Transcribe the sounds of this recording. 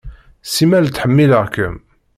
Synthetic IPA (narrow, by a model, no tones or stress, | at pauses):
simælt̪ːħəmːiləʁkəm